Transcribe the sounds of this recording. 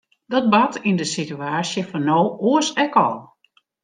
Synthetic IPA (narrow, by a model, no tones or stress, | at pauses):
dɔt̚batʰindəsityaːsjəfɔnoːoəsɛkɔ̰lˠ